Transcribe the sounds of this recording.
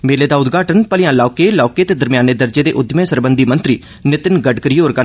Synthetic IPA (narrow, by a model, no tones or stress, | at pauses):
meːleːd̪aːʊd̪ɡʱaːʈənpəlɪjãːlaːkeːlaːkeːt̪eːd̪əɾmijaːneːd̪əɾd͡ʒeːd̪ḛːʔʊd̪əmẽːsəɾbənd̪iːmənt̪ɾiː | nɪt̪ɪnɡəɖkəɾiːoːɾɡa